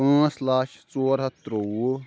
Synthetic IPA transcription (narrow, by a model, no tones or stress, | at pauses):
õːslaːʃt͡soːɾɦɐt̪ɾou